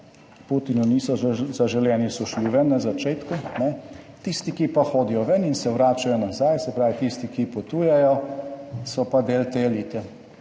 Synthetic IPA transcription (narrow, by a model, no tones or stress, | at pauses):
put̪inuniːsɔzaʒɛljɛːnisɔʃliʋɛnːazat͡ʃeːt̪kunɛ | t̪ist̪ikipaxoːd̪ijɔʋɛninsɛʋɾaːt͡ʃajɔnazajsɛpɾaːʋit̪ist̪ikipɔt̪uːjɛjɔ | sɔpad̪eːlt̪eliːt̪ɛ